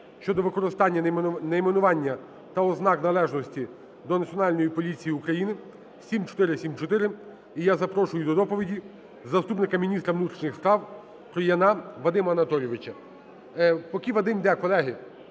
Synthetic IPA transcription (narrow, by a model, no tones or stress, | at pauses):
ʃt͡ʃɔd̪ɔʋɪkɔɾɪst̪ɑnʲːɐnɛjmenʊʋɑnʲːɐ | t̪ɐɔznɑknɐlˠɛʒnɔsʲtʲi | d̪ɔnɐt͡sʲiɔnɑlʲnɔjipɔlʲit͡sʲijiukɾɐjinɪ | sʲimt͡ʃɔ̥t̪ɪɾɪsʲimt͡ʃɔt̪ɪɾɪ | ijazɐpɾɔʃʊjʊd̪ɔd̪ɔpɔʋʲidʲi | zɐst̪upnɪkɐmʲinʲist̪ɾɐʋnut̪ɾʲiʃʲnʲɪxspɾɑw | kɾɔjɐnɑʋɐd̪ɪmɐɐnɐt̪ɔlʲjɔʋɪt͡ʃɐ | pɔkʲiʋɐd̪ɪmʲd̪ɛkɔlˠɛɦɪ